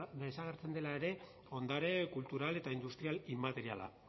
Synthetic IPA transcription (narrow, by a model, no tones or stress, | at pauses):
desaɣ̞eɾt͡se̞nd̪e̞lae̞ɾe̞ | o̞nd̪aɾe̞kult̪uɾale̞t̪aind̪ust̪ɾialimat̪e̞ɾiala̰